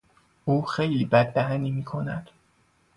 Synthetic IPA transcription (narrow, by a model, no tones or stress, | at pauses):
ʔuːxejliːbæd̪ːæɦæniːmiːkʰo̞næd̪̥